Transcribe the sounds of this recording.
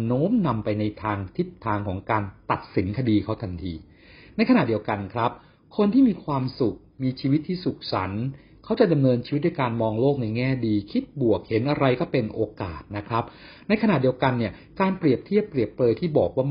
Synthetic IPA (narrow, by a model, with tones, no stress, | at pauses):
noː˦˥mna˧mpa˧jna˧jt̪ʰaː˧ŋt̪ʰi˦˥p̚t̪ʰːaː˧ŋkʰɔː˩˦ŋkaː˧nt̪a˨˩t̪̚si˩˦nkʰa˧diː˧kʰa˦˥wt̪ʰa˧nt̪ʰḭː˧ | na˧jkʰa˧na˨˩t̪̚i˧əwka˧nkʰɾa˦˥p̚ | kʰo˧nt̪ʰiː˥˩miː˧kʰwaː˧msu˨˩k̚miː˧t͡ɕʰiː˧wi˦˥t̪ʰːiː˥˩su˨˩k̚sa̰˩˦n | kʰa˦˥wt͡ɕa˨˩da˧mnɤː˧nt͡ɕʰiː˧˦˥t̪̚n˧a˧jkaː˧nmɔː˧ŋloː˥˩k̚na˧jŋɛː˥˩diː˧kʰi˦˥t̪̚bu˨˩ək̚he˩˦nʔa˧ɾa˧jkɔː˥˩pe˧nʔoː˧ka̰ː˨˩t̪̚na˦˥kʰɾa˦˥p̚ | na˧jkʰa˧na˨˩di˧əwka˧nːi˥˩ɐkaː˧npɾi˨˩əp̚t̪ʰi˥˩əpːɾi˨˩əpːlɤː˧jt̪ʰiː˥˩bɔː˨˩k̚waː˥˩